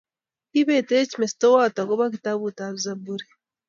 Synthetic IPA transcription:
iβeteecimestowataɡoβakitaβutaβzabuɾe

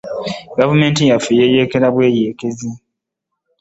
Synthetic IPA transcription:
ɡavume̞ːntijafijejeːkeɾaβwe̞ːjeːkezi

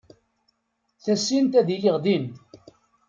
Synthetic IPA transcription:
θæsːint̪æðijəʁðin

